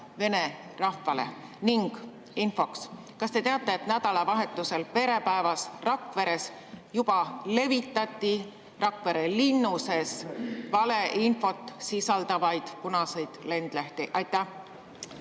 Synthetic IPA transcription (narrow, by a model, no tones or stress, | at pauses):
ve̞ne̞rɑhːɑle̞̰ | niŋɡ̥ | info̞ks | kɑst̪e̞t̪eɑt̪ːˑe̞ːt̪næd̪̥ɑlɑvɑɦe̞t̪ːˑuse̞lpe̞ɾe̞pæevɑsrɑkve̞ɾe̞s | jub̥ɑle̞vit̪ːˑɑt̪ːˑi | rɑkve̞ɾelinːuse̞svɑle̞ʔinfo̞t̪ːˑsisɑld̪̥ɑvɑjd̪̥kunɑsejd̪̥le̞nd̪̥læht̪iʔɑjt̪ːˑæh